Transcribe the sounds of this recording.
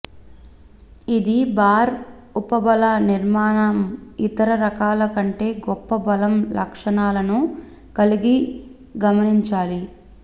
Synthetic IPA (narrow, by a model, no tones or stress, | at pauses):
id̪ibaːɾ | upɐbɐlɐniɾmaːɳɐmit̪ɐɾɐɾɐkaːlɐkɐɳʈe̞ːɡɔpːɐbɐlɐmlɐ̰kʂɐɳaːlɐnu | kɐliɡi | ɡɐmɐniɲt͡ʃaːli